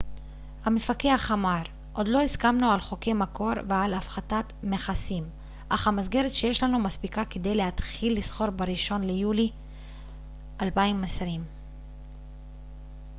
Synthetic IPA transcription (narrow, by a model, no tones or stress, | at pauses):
hamefakeaχamaɾ | ʔo̞d̪lo̞iskamnualχo̞ke̞jmako̞ɾvealafχatatmeχasim | ʔaχhamazɡe̞ɾetʃe̞je̞ʃlanumaspikake̞d̪e̞jle̞at̪χilːisχo̞ɾbeɾiʃo̞nle̞juli | ʔalbaimasɾim